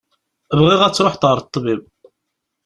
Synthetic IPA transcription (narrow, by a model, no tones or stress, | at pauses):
əvʁɪʁæt͡sːɾˤoħt̪ʁəɾˤt̪ˤːbib